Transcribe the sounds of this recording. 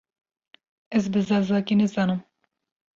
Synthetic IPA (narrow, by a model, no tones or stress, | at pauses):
ɛzbɨzɑːzɑːkinɛzɑːnɨm